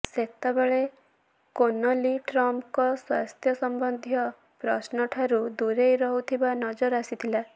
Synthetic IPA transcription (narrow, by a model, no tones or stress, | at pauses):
set̪abeɭe | konɔliʈɾɔmpkɔswa̰st̪ʰjɔsɔmbɔnd̪ʱijɔ | pɾɔ̰snɔʈʰaɾud̪uɾejɾɔɦut̪ʰibanɔd͡ʒɔɾasit̪ʰila